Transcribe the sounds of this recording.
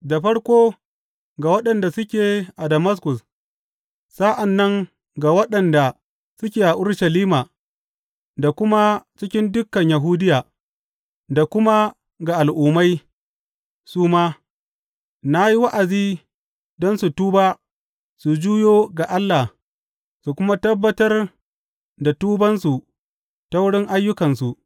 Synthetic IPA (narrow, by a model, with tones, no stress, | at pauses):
da˨ɸɐ˦ɽkʷoː˦ | ɡa˨wɐ˦ɗɐ˨nda˨sʊ˦kʲeː˨ʔa˨dɐ˨mɐ˦s̬kʊ˨s | sa˦ʔa˨nːɐ˦ŋ | ɡa˨wɐ˦ɗɐ˨nda˨ | sʊ˦kʲeː˨ʔa˨ʔʊ˦ɽʃa˨liː˦maː˨ | da˨kʷʊ˦ma˦t͡ʃɪ˦kʲɪ˦ndʊ˦kːɐ˨ɲja˨ɦuː˦dɪ˦jaː˨ | da˨kʷʊ˦ma˦ | ɡa˨ʔa˨lʔʊː˨ma˦j | suː˦maː˦ | na˦ji˦wa˦ʔa˨ziː˦ | dɔ˦nsu˨tuː˦baː˦ | su˨d͡ʒuː˦joː˦ɡa˨ʔa˦lːa˨h | su˨kʷʊ˦ma˦tɐ˦bːɐ˦tɐ˦r | da˨tuː˦bɐ˦nsu˨ | ta˦wʊ˦ɽɪ˦ŋʔa˦jːʊ˦kɐ˨nsu˨ʔ